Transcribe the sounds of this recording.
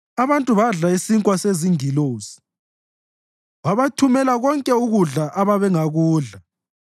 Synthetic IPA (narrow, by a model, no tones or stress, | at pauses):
aβantʼuβaɮaisiŋkʼwaseziŋiloːzi̥ | βaβatʰumɛlaɣɔŋkʼɛuɣuɮaʔaβaβɛŋaɣuːɮa